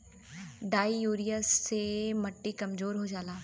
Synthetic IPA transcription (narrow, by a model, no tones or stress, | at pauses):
ɖaːijuːɾijəsːeməʈːikɐmzoːɾɦod͡ʒaːlaː